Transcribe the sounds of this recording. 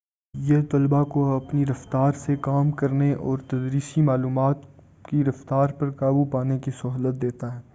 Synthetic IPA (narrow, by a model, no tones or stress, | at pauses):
jet̪ɐlbakoɐpniɾɐft̪aːɾsekaːmkɐɾneʔɔːɾt̪ɐd̪ɾiːsimaːluːmaːt̪ | kiɾɐft̪aːɾpɐɾkaːbupaːnekisɐɦlət̪̚d̪eːt̪aɦɛː